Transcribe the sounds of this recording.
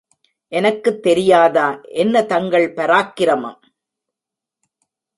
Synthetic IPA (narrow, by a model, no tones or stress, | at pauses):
ʔɛnɐkːɯt̪ːɛɾɪjaːðaːʔɛnːɐt̪ɐŋɡɐɭpɐɾaːkːɪɾɐma̰ː